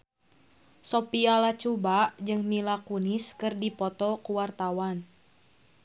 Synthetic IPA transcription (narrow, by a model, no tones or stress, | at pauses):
sopialat͡ʃubaʔd͡ʒɨŋmilakuniskɨrdipɔt̪ɔkuwart̪awan